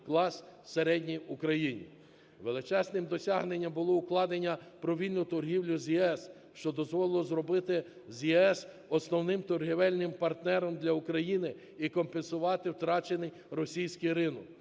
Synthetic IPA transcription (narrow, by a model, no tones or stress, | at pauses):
klˠɑsseɾɛdʲnʲijʊkɾɐjinʲḭ | ʋelˠɪt͡ʃɛsnɪmd̪ɔsʲɑɦnenʲːɐmbʊlˠɔʊklˠɑd̪enʲːɐpɾɔʋʲilʲnʊt̪ɔrɦʲiwlʲʊzʲjɛɛs | ʃt͡ʃɔd̪ɔzʋɔlˠɪlˠɔzɾɔbɪt̪ɪ | zʲjɛɛs | ɔsnɔwnɪmt̪ɔrɦiʋɛlʲnɪmpɐrt̪nɛɾɔmd̪lʲɐʊkɾɐjinɪ | ikɔmpensʊʋɑt̪ɪwt̪ɾɑt͡ʃenɪj | rɔsʲijsʲkɪjɾɪnɔk